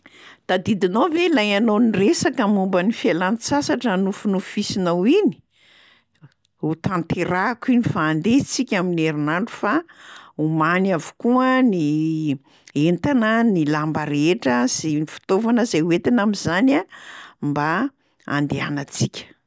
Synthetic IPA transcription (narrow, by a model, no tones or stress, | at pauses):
d̪̥ad̪id̪inovelajanoniresakəmumbənifialansasaʈ͡ʂənufunufisinawini̥ | ut̪ant̪eɾakinifaːnd̪et͡sikʲamineɾinaɳɖ͡ʐu̥faumanavu̥kuəni | ent̪anənilambəɾeʈ͡ʂəzenifi̥t̪ovanəzeuet̪inamizanamba | a̰nd̪ea̰nət͡sikʲə̥